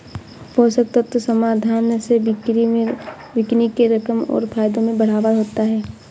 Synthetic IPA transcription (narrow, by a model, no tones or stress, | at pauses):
boːsɐk̚t̪at̪osɐmaːd̪ʱaːneseɾi | ʋɪknikeɾɐkəmɔ̰ːɾfʰaːjd̪õmẽbɐɽ̤aːʋaɦoːt̪aɦɛː